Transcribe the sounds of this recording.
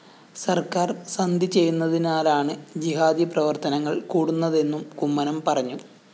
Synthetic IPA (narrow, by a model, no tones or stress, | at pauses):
sɐrkaːrsɐnd̪ʱit͡ɕe̞jːunːɐðinaːlaːɳɨd͡ʑiɦaːd̪iprɐʋɐrt̪ɐnɐŋːɐɭkuːɽunːɐðe̞nːumkumːɐnɐmpɐrɐɲːu